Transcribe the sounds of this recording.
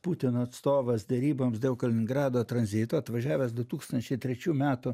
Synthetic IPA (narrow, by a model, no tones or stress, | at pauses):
puːt̪ʲɪnoːɐt̪st̪oːʋɐsd̪ʲɛɾʲiːboːmsd̪ʲeʊkɐlʲɪnʲɪŋɡɾɑːd̪oːt̪ɾɐnʲzʲɪt̪oːɐt̪ʋɐʒʲæːʋʲɛsd̪ʊt̪uːkst̪ɐnʲt͡ʃʲɛɪt̪ʲɾʲɛt͡ʃʲuːmʲæːt̪ʊ